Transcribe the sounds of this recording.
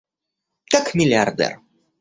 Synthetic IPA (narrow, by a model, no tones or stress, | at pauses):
kakmʲilʲard̪ɛ̰r